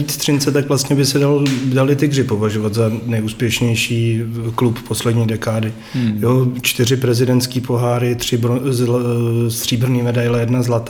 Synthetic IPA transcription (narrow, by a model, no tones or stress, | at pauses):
iːt̪st̪r̝̥ɪnt͡sɛt̪akvlast̪ɲɛbɪsɛdalodalɪt̪ɪɡrɪpovaʒovat̪zanɛjuːspjɛʃɲɛjʃiːkluppo̞slɛdɲiːdɛkaːdɪ | jot͡ʃt̪ɪr̝ɪpɾɛzɪdɛntskiːpo̞ɦaːɾɪt̪r̝̥ɪ | st̪r̥iːbr̩niːmɛdajlɛjɛdnazlat̪a